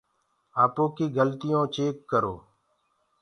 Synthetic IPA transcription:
aːpoːkiːɡʱəlt̪ɪjõːt͡ʃeːkːəɾo̰ː

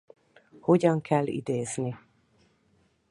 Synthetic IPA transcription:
ho̞ɟɒŋkʰɛlːḭd̪eːzni

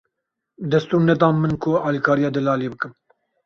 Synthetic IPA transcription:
d̪ɛst̪uːɾnɛt̪̬ɑ̃ːnmɨnkʰʊɑːlikʰɑːɾijɑːd̪ɨlɑːleːbɨkɨm

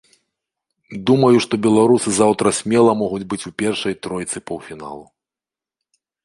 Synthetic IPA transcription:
d̪umɐjuʂt̪ɔbʲɛlˠaɾusɨzawt̪ɾɐsʲmʲɛlˠɐmɔɣud͡zʲbɨt͡sʲupʲɛrʂɐjt̪ɾɔjt̪sɨpɐwfʲina̰lˠu

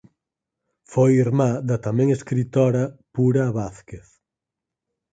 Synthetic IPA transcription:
fojiɾmad̪ɐt̪amɛ̃ŋeskɾit̪ɔɾɐpuɾɐβaθkeθ

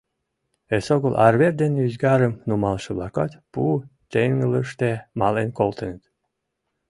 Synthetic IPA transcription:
esoɣəlʔɑrβerd̪enyzɡɑɾə̆mnumɑlʃə̆βlɑkɑt̪put̪eŋləʃt̪emɑlenkolt̪ə̆nət̪

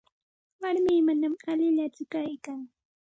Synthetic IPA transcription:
waɾmiːmanamalɪʎat͡sʊkajkaŋ

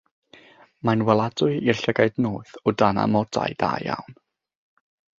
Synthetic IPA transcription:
manwɛlˠadʊɨirɬɛɡaɨdnoːθɔdana̰mɔd̥a̰jd̥a̰ːjja̰wn

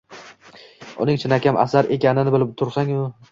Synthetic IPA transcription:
ʊ̰nɪŋt͡ʃʰɪnakʲamʔa̰saɾe̞kʲanɪnɪbɪlɪb̚t̪ʰʊɾsaŋʊ

